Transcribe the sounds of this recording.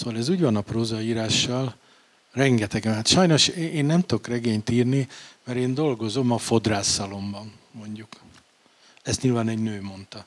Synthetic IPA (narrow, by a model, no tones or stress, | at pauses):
soːʋɒlɛzuːɟvɒnɒproːzɒiːɾaːʃːɒl | rɛŋɡɛt̪ɛɡɛmɦat̪ʃɒjno̞ʃeeːnːɛmt̪o̞krɛɡeːɲt̪iːrnimɛɾeːnd̪o̞lɡo̞zo̞mɒfo̞d̪raːsːɒlo̞mbɒnː | o̞ɲɟuk | ɛst̪ɲilvaːnɛɟnøːmo̞nt̪ɒ